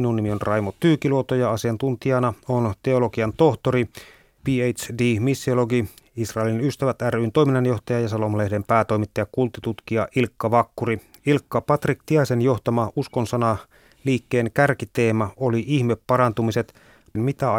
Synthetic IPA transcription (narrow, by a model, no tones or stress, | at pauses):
inunːimionrʔɑjmot̪ːyːkiluot̪ojɑɑsiɑnt̪unt̪iɑnɑont̪e̞olo̞ɡiɑnt̪o̞ht̪oɾi | piːejt̪sdiːmisːioloɡi | isrɑelinyst̪æʋæt̪ærynt̪o̞iminːɑnjo̞ht̪ɑjɑjɑsɑlomɑlehde̞mpæːt̪o̞jmit̪ːɑjɑkkult̪ːit̪ut̪kiɑʔilkːɑʋɑkːuri | ilkːɑpɑt̪rik̚t̪iɑisenjo̞ht̪ɑmɑuskonsɑnɑ | liːkːe̞ːŋkærkit̪eːmɑoliihmepːɑɾɑnt̪umise̞t̪ | mit̪æ